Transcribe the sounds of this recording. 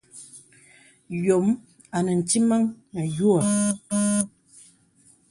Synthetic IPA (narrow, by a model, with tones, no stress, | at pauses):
jo˨˦m | a˨nə˨n̩˨ti˦ma˦ŋna˨ju˦a˨